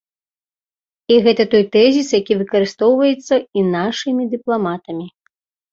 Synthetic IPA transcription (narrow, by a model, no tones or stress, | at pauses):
iɣɛt̪ɐt̪ɔjt̪ɛzʲisjakʲivɨkɐɾɨst̪ɔwvɐjɛt̪sːɐinaʂɨmʲid̪ɨplˠamat̪ɐmʲi